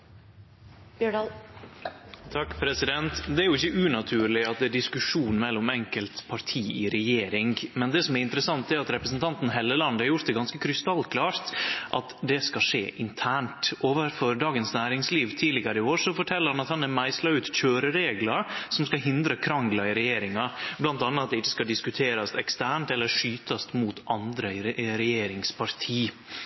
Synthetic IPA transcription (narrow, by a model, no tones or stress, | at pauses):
bɖɑ | t̪ʰɑkːpʰɾɛsɪd̪ɛnt̪d̪ɛæɾjʊɪçːəʔʉːnɑt̪ʰʉːɾlɪɑt̪̚d̪ɛæɖɪskʉʂuːnmɛlːɔmɛŋkəlt̪pʰɑɾʈʰiːɪɾɛjeːɾɪŋmɛnd̪ɛsɔmæɾɪnt̪əɾəsɑŋt̪d̪ɛæɾɑt̪ɾɛpɾəs̬nt̪ʰɑnt̪n̩ɦɛlːəlɑnd̪əhɑɾjʊɾt̪̚d̪ɛɡɑnskəkʰɾʏst̪ɑlːkʰlɑːɾt̪ʔɑt̪d̪ɛskɑʂḛːʔɪnt̪ʰæːɳʈʔoːʋəɾfɔɾɖ̪ɑːɡənsnæːɾɪŋsliːʋt̪ʰiːlɪɡəɾəɪoːɾʂɔfɔʈʰɛlːəɾhɑnɑt̪hɑnæmæɪslɑʉːt̪c͡çøːɾəɾeːɡlɑɾsɔmskɑɦɪnd̪ɾəkʰɾɑŋɡlɑɪɾɛjeːɾɪŋɑblɑnt̪ɑnːɑɑt̪̚d̪ɛɪçːə̥skɑd̪ɪskʉt̪ʰeːɾɑst̪ɛkst̪æːɳʈ̪ɛlːəɾʂyːt̪ʰɑst̪muːt̪ʰʔɑnd̪ɾəɪɾɛjeːɾɪŋspʰɑɾt̪ʰiː